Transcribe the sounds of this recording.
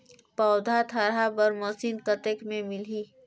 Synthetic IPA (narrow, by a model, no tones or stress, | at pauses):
pɔːd̪ʱat̪ʰɐɾabɐɾmɐsinkət̪ekmẽmɪliː